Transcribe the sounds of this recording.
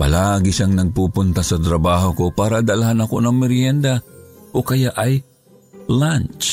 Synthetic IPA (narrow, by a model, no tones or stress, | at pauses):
pɐ̰laːɡɪʃaŋnɐɡ̚pupʊnt̪asɐt̪ɾɐbaːɦokopaːɾad̪alhanɐkonɐŋmɪɾjɛnd̪aʔokɐjaʔaj | lant͡ʃ